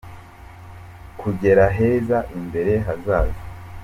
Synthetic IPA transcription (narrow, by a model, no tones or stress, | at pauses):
kʰuɟe̞ɾaɦe̞ːzaʔimbe̞ɾe̞ɦazaːzi